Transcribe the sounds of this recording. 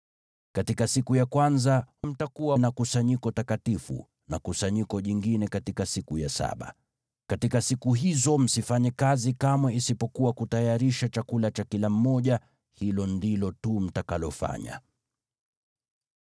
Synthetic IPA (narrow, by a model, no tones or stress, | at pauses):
katikasikujakwanzam̩takuwanakusaɲikɔtakatifṵ | nakusaɲikɔʄiŋɡinɛkatikasikujasa̰ɓa̰ | katikasikuɦizɔm̩sifaɲɛkazikamwɛisipɔkuwakutajaɾiʃat͡ʃakulat͡ʃakilam̩mɔʄa | hilɔndilɔtum̩takalɔfa̰ɲa̰